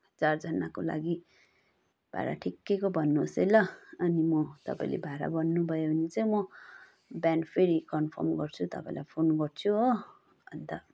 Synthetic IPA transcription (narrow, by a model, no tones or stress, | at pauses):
d͡zard͡zʌnakola̰ɡi | b̥ʱa̰ɾa̰ʈʰikːekobʱʌnːuɦosejlʌʌnimʌt̪ʌ̰pã̰ĩlḛbʱaɾa̰bʌnːubʱʌjoʌnit͡sʌĩmʌ | bjanpʰeɾikʌnpʰʌ̰rmɡʌrt͡sʰut̪ʌ̰pã̰ĩlajpʰonɡʌrt͡sʰu | bʌnt̪ʌ